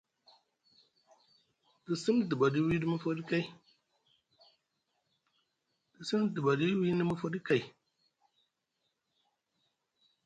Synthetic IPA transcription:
d̥i˨si˦mdɨ˨ba˨di˦wi˦di˦mu˦fo˦di˦ka˦˨i˦ | d̥i˨si˦mdɨ˨ba˨di˦wi˦nə˦mu˦fo˦di˦ka˨i˨

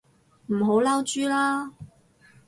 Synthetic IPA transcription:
m̩˨˩ɦo˨˧˥wlaː˥wt͡ʃyː˥laː˥

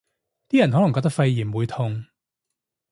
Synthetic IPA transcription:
t̪iː˥jɐ˨˩nɦɔ˨˥lɐ˨˩ŋkɔː˧k̚t̪ɐ˥k̚fɐ˧jjiː˨˩nwuː˨˧jt̪ʰʊ˧ŋ

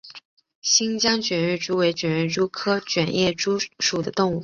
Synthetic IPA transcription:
ɕi˥ŋt͡ɕjɑ˥ŋt͡ɕɥɛ˨˩nɻɛ˥˩ʈ͡ʂu˥we˧˥ɪt͡ɕɥɛ˨˩nɻɛ˥˩ʈ͡ʂu˥kʰɤ˥t͡ɕɥɛ˨˩njɛ˥˩ʈ͡ʂu˥ʂu˨˩d̪ə˦t̪ʊ˥˧ŋu˥˩

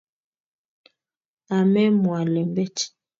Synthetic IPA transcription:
a˨mɛ˦mwa˨lɛ˨mbɛ˦ti̥˦

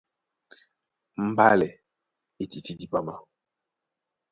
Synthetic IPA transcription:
m̩˦ba˦lɛ˨ | i˨ti˨ti˦di˦pa˦ma˦

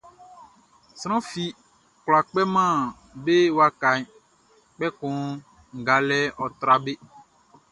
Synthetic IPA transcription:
sɾ̃ã˦fi˨ | kla˨k͡pɛ˦mã˦˨ | be˦wa˦ka˨ɲ˦ | k͡pɛ˦kũ˨˦ | ŋ̩˨ɡa˨lɛ˦ɔ˨t̪ɾa˨be˦

